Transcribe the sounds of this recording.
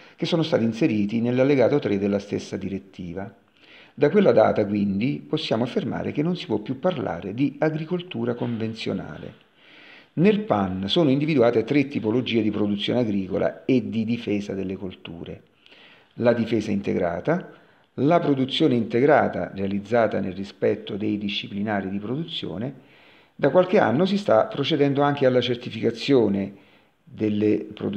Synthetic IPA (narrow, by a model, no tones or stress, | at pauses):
k̟esːoːnost̪aːt̪inseɾiːt̪inelːalːeɡaːt̪ot̪ɾed̪ːelːast̪ḛsːad̪iɾet̪ːiːva | d̪akwelːad̪a̰ːt̪akwind̪iposːjaːmoafːerma̰ːɾʔḛk̟enːonsi̥pwɔpːjupːarla̰ːɾed̪iaɡɾikolt̪uːɾakoɱvent̪sjo̰na̰ːlḛ | nelpansoːnoind̪ivid̪uaːt̪et̪ɾet̪ːipolod͡ʒiːed̪ipɾod̪ut̪sːjo̰ːneaɡɾiːkola̰ed̪ːid̪ifɛːzad̪elːekult̪ṵːɾḛ | lad̪ifɛːzaint̪ḛɡɾa̰ːt̪a | lapɾod̪ut̪sːjoːneint̪eɡɾaːt̪a̰realid̪zːaːt̪anelrispɛt̪ːod̪ejd̪iʃːiplinaːɾid̪ipɾod̪ut̪sːjo̰ːne | d̪akwalk̟ea̰nːos̬ist̪apːɾot͡ʃed̪ɛnd̪oaŋk̟ealːat͡ʃert̪ifikat̪sːjoːne | d̪elːepɾo̰